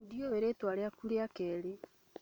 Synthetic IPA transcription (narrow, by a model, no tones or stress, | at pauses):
dioeɾetwaɾeakuɾeakɛːɾe